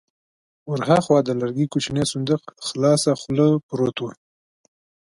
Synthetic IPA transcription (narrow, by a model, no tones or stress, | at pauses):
wʊɾɦaxwɑd̪əlaɾɡikut͡ʃnesʊnd̪əqxlɑːsaxʊləpɾot̪wa